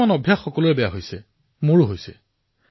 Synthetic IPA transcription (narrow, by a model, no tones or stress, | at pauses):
anɔbʱjaxːɔkɔlʊɹɛbɛjaɦojsɛ | moɹʊɦojsɛ